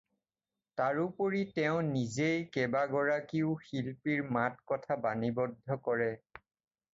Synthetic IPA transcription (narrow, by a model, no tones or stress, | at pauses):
taɹupoɹitɛʊ̃nizejkɛbaɡɔɹakiʊxilpiɹmatkɔtʰabanibɔdʱːɔkɔɹɛ